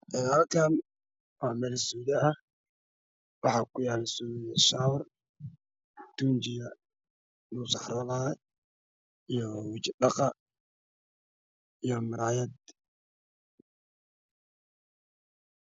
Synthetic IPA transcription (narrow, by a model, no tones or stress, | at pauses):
ʔɛːalkʰaːn | waːmɛlɛsuːðɛɐ | wɑħɑːkʰʊjaːlɛsuːjɛʃaːwr | d̪̥uːnt͡ʃɪjɐ | nusɑħɾɔːla | ijɔwɪt͡ʃɪɗɑqɑ | ijɔmɪɾaːjɐd̪